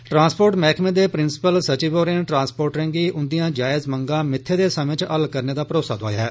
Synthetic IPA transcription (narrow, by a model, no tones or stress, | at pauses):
ʈɾãːnspoːɾʈmɛːkʰmẽːd̪eːpɾɪnsɪ̥pəlsət͡ʃiːboːɾĩnʈɾãːnspoːɾʈɾẽːɡiːʔʊnd̪ijãːd͡ʒaːɪzməŋɡãːmɪt̪ʰːeːd̪eːsəmɪt͡ʃəlkəɾneːd̪aːpəɾoːsaːd̪a̰ːjaːɦɛː